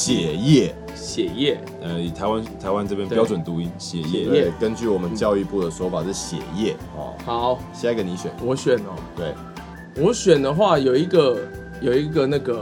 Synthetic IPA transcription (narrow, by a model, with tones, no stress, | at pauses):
ɕjɛ˨˩jɛ˥˩ | ɕjɛ˨˩jɛ˥˩ | ə˧i˨˩t̪ʰa˧˦ɪwa˦nt̪ʰa˧˦ɪwa˦nʈ͡ʂɤ˥˧pʰjɛ˥np̪jɑ˥ʊʈ͡ʂwə˨˩nt̪u˧˦i˧˥nɕjɛ˨˩jɛ˥˩ɛ˥˧˥kə˦nt͡ɕy˥˩wɔ˨˩mə˦nt͡ɕjɑ˥˧ʊi˥˧pu˥˩d̪ə˩ʂ̩˧˥˧fa˨˩ʂɻ̩˥˩ɕjɛ̰˨˩jɛ˥˩ | ɔ̰˧˦ha˨˦ʊɕjɛ˥a˥ke˧˩ni˧˥ɕɥɛ˨˩nwɔ˨˦ɕɥɛ˨˩nɔ˩˦t̪we˥˩ɪ | wɔ˨˦ɕɥɛ˨˩nd̪ə˨xwa˥˩jo˨˩ʊi˧˥ɡə˨ | jo˨˩ʊi˧˥ɡə˨na˥˩ɡə˩